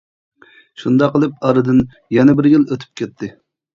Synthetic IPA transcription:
ʃund̪ɑqːəlˠɨp̚ɑɾɨd̪ɨn | jɛnɛbɪɾjiløt̪ʰy̥p̚kʲɛt̪ʰːɪ

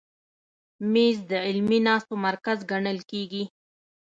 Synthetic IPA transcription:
mezd̪əɪlminɑst̪omaɾkazɡaɳəlkeɡi

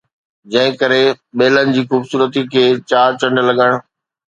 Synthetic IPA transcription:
d͡ʑɐ̃ɦɪ̃kəɾeɓeːlənɪ̆d͡ʑiːxuːbsuːɾət̪ikʰeːt͡ɕaːɾt͡ɕɐ̃ɳɖlɐɠəɽ̃

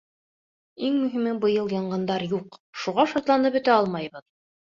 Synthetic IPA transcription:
iŋmɵ̆ɦimɘbɤ̆jɤlˠjɑɴɢɑnd̪ɑɾjuqʃuʁɑʃɑt̪lˠɑnɤpɵ̆t̪æɑlˠmɑjβɤð

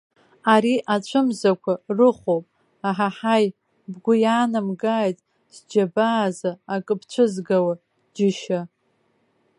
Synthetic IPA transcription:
aɾiʔat͡ɕʷʰɨmzakʷʰarɨχʷowpʼ | aħaħaj | bɡʷʊjaːnɨmɡajtʼ | dd͡ʒabaːzaːkʼɨpʰt͡ɕʷʰɨzɡawa | d͡ʒɪʃa

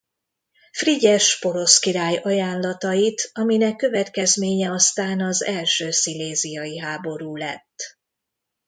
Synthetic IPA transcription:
friɟɛʃpo̞ɾo̞skiɾaːjɒjaːnlɒt̪ɒjit̪ɒminɛkːø̞vɛt̪kɛzmeːɲɛɒst̪aːnɒzɛlʃøːsileːzijɒjiɦaːbo̞ɾuːlɛ̰t̪ː

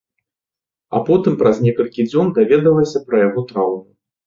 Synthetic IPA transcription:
a̰pɔt̪ɨmpɾɐznʲɛkɐlʲkʲid͡zʲɔnd̪avʲɛd̪ɐlˠɐsʲɐpɾɐjaɣɔt̪ɾawmu

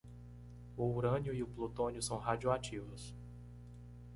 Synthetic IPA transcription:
uuɾɐ̃njʊiʊplot̪õnjʊsɐ̃w̃ɦad͡ʒioat͡ʃivʊs

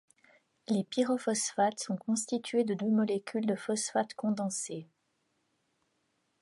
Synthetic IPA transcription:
lepiʁɔfɔsfat̪sɔ̃kɔ̃st̪it̪ʰɥed̪əd̪ømɔlɛkʲyld̪əfɔsfat̪kɔ̃d̪ɑ̃se

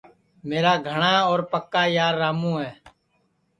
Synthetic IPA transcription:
meːɾaːɡʱəɳãːoːɾpəkːaːjaːɾːaːmũːɦɛː

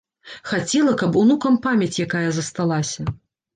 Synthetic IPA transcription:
xat͡sʲɛlˠɐkɐpunukɐmpamʲjɐt͡sʲjakajɐzɐst̪alˠasʲɐ

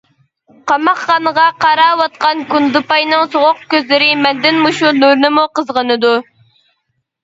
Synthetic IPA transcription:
qʰɑmɑχːɑnəʁɑqɑɾɑːwɑt̪̚qʰɑnkund̪ɨpɑjnɨŋsoʁʊq̚kʲøzlɪɾɪmɛnd̪ɪnmuʃunuɾnɨmuqəzʁənɨd̪u

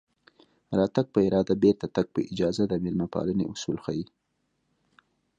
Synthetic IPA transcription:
ɾɑt̪aɡ̚pəɪɾɑd̪abeɾt̪at̪aɡ̚pəʔɪd͡ʒɑzad̪əmɪlmapɑ̰lənḛʔʊsulxaji

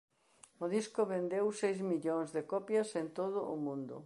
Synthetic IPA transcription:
ʊðiskʊβend̪ewsejzmiʎõŋzðɪkɔpjɐsent̪oð̞ʊʔʊmũnd̪ʊ̰

